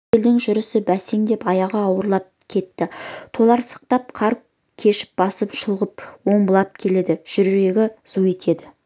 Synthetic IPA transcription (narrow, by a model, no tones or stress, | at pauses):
eld̪ɪŋʒʏɾɪsɪbæseŋd̪e̞pɑjɑʁɑːwəɾlˠɑp̚kʲʰe̞t̪ːɪt̪ʰo̞lˠɑɾsɑ̥q̚t̪ɑp̚qʰɑɾp̚ | kʲʰe̞ʃɪ̥p̚b̥ɑsəpʃəlˠʁəp̚wo̞ɴbəlˠɑp̚kʲʰe̞le̞d̪ɪʒ̥ʏɾɾe̞ɡʲɪz̥ue̞t̪ʰe̞d̪ɪ